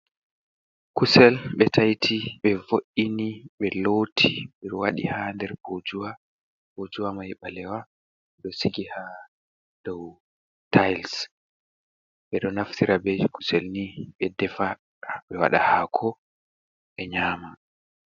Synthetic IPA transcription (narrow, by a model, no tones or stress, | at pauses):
kusɛlɓɛtʰajtʰiɓɛvoʔiniɓɛloːtʰimɛɾwaɗḭhandɛɾbod͡ʒuwa | bod͡ʒuwamajɓalɛwa | ɗɔsiɡiha | d̥ɔw | tʰajls | ɓɛɗɔnaftiɾabɛku̥sɛlniɓɛdɛfa | aɓɛwa̰ɗa̰hakʰɔ | ɓɛɲaːma